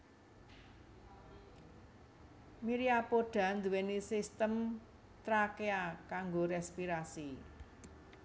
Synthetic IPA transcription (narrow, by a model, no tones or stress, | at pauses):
miɾiapoɖ̥ä̤nd̪uwenisist̪əm | t̪ɾakeakaŋɡoɾɛspiɾasi